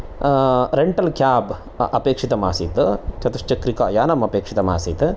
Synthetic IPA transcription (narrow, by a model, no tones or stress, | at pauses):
ɾeɳʈɐlkjaːb | ɐpeːkʂit̪ɐma̰ːsit̪ɨt͡ʃɐt̪ɐʂt͡ʃɐkɾika̰ːjaːnɐmɐpeːkʂit̪ɐma̰ːsiːt̪ɨ